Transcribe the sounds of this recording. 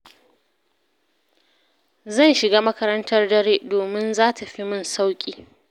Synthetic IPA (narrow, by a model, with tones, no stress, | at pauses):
zɐ˦˨nʃɪ˨ɡaː˦mɐ˦kɐ˦ɾɐ˦ntɐ˦rdɐ˦ɽeː˦doː˨mɪ˦nzaː˦tʰa˨ɸi˦mʊ˦˨nsa˦wkʲʼiː˦